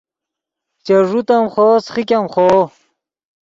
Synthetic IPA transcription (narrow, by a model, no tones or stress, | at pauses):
t͡ɕeʐut̪ɐmχoːsχikʲamχo